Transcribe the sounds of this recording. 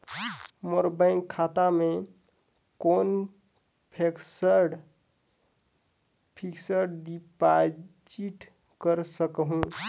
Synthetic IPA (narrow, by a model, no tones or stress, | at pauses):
moɾbəɪŋkʰːat̪ame | kon | pʰeksəɾɖ | pʰiksəɾɖɖipad͡ʒiʈ | kəɾsəkɦũ